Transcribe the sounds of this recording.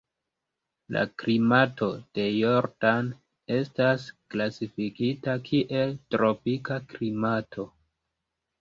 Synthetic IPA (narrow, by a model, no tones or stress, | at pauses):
la̰klimatʰo̞d̥e̞joɾdan | e̞stasklasifikitakʰiʔe̞ltɾo̞pikaklimatʰo̞